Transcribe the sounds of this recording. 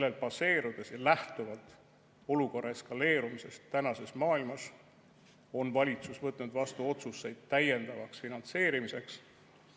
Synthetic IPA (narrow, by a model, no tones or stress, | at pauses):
lːelpɑse̞ːɾud̪̥e̞sjɑlæht̪uvɑlt̪ˑ | o̞luko̞rˑʔːɑeskɑle̞ːɾumise̞st̪ːænɑse̞smɑːilmɑs | o̞nvɑlʲit̪susvɤt̪ːˑnud̪̥vɑst̪uo̞t̪susːe̞jd̪̥̚t̪æje̞nd̪̥ɑvɑksfinɑnt̪se̞ːɾimise̞ks